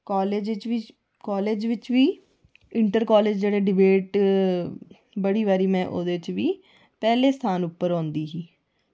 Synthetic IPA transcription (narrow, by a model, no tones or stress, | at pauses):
kɔːleːd͡ʒt͡ʃʋiː | kɔːleːd͡ʒʋɪt͡ʃʋiː | ɪɳʈəɾkɔːleːd͡ʒd͡ʒeːɽeːɖɪbeːʈ | bəɽiːʋaːɾiːmɛ̃ːʔo̰ːd̪eːɪt͡ʃʋiː | pɛːleːst̪ʰaːnʊpːəɾɔ̃ːnd̪iːɦiː